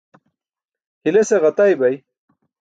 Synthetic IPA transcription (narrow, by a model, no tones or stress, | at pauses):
hileseʁɐt̪ajbɐj